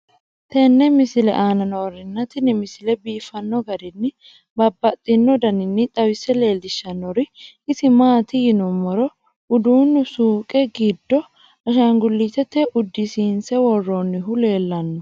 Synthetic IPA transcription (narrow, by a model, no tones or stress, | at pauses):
t̪ɛnːɛmɪsɪlɛ̰ʔaːnɐnoɾɪnːɐt̪ɪnɪmɪsɪlɛbiːfɐnːɔɡɐd̪ɪnːɪ | bɐbːɐt̪ʼːɪnːɔd̪ɐnɪnːɪt̪ʼɐwɪsɛle̞ːld̪ɪʃːɐnːɔɾɪ | ɪsɪmaːt̪ɪjɪnʊmɔɾɔ | ʊd̪uːnːʊsuːkʼɛɡɪd̪ːɔ | ɐʃɐŋɡʊlːit̪ɛt̪ɛʔʊd̪ːɪsiːnsɛwɔrːonːɪɦʊle̞ːlːɐnːɔ